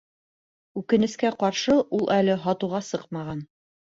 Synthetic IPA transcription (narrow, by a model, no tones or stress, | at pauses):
ʉkɘ̆nɘ̆skæqɑɾʃɤʔulˠʔælɘɦɑt̪uʁɑsɤqmɑʁɑn